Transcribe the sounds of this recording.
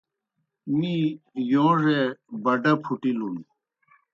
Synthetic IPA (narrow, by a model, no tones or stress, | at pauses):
mijõːʐebɐɖɐpʰuʈilunu